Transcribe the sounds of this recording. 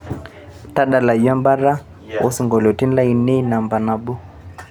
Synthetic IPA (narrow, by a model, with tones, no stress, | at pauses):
ta˦ɗa˨la˨ja˦mba˦ɾa˦ | ɔ˦su˨ŋɡɔ˨lɔ˨ti˦n˦la˦i˨nɛ˦na˨mba˨na˨bu˦